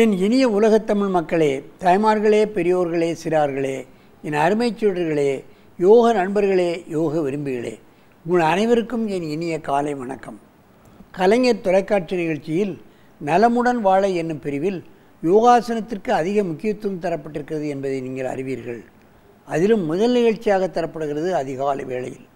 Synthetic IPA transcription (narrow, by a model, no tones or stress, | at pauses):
ɛnɪnɪjɐʊlɐɣɐt̪ːɐmɪɻmɐkːɐɭeːt̪ɐɪmaːɾɣɐɭeːpɛɾɪjoːɾɣɐɭeːsɪɾaːɾɣɐɭeː | ɛnɐɾɪmɐɪt͡ʃːɪɽɐɾɣɐɭeː | joːɣɐnɐɳbɐɾɣɐɭeːjoːɣɐʋɪɾɯmbɪɣɐɭḛː | ɡʊɻɐnɐɪʋɐɾɯkːɯmɛnɪnɪjɐkaːlɐɪʋɐɳɐkːɐm | kɐlɐŋɐɾt̪ɔlɐɪkːaːʈt͡ʃɐnɪɣɐɭt͡ʃːɪjɪl | nɐlɐmɯɽɐnʋaːɭɐɪɛnːɯmpɛɾɪʋɪl | joːɣaːsɐnɐt̪ːɪrkɯɐðɪɣɐmʊkːɪjɐt̪ːɯɯmt̪ɐɾɐpːɐʈːɪɾɯkːɪrɐðɯɛnbɐðɐɪniːŋɡɐɭɐ̰ɾɪʋiːɾɣɐ̰ɭ | ɐðɪlɯmːʊðɐlnɪɣɐɭt͡ʃːɪjaːɣɐt̪ːɐɾɐpːɐɽɯɣɪrɐðɯɐðɪɣaːlɐ̰ʋeːɭɐ̰jɪ̰l